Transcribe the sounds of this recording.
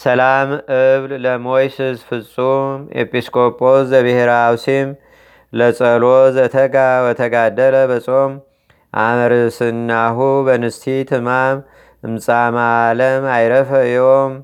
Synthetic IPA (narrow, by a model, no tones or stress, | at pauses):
sɐlamʔɨβlləmojsɨzfɨt͡sʼumḛpʼiskʰo̞pʼo̞szəβɨheɾaawsim | lət͡sʼəlozɐt̪ʰəɡawət̪ʰəɡad̪ələβɐt͡sʼom | ʔa̰mɾɨsɨnːaɦubənɨst̪ʰit̪ʰɨmam | ɨmsʼamaləmajɾəfəɨjom